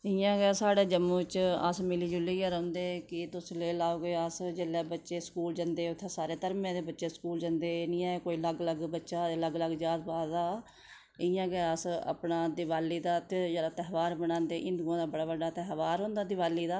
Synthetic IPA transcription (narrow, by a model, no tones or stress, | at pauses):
ɪjãːɡɛːsaːɽeːd͡ʒəmũːt͡ʃə̰smɪliːd͡ʒʊlːiːjaːɾə̃ʊ̃nd̪eːkɪt̪ʊsleːlaːoːɡeːəsd͡ʒeːlːɛːbətːʃeːskuːld͡ʒənd̪eːʊt̪ʰːeːsaːɾeːt̪əɾmẽːd̪eːbətːʃeːskuːld͡ʒənd̪eːnĩːaːeːkoːiləɡələɡbətːʃaːləɡələɡd͡ʒjaːd̪̚paːd̪aː | ɪjãːɡɛəsə̰pɳaːd̪ɪʋaːlːiːd̪aːt̪ed͡ʒelaːt̪ɛɦʋaːɾbəɽãːnd̪eːʔɪ̃nd̪ɡãːd̪aːbəɽaːʋəɖaːt̪ɛːɦʋaːɾɦõːnd̪aːd̪ɪʋaːliːd̪aː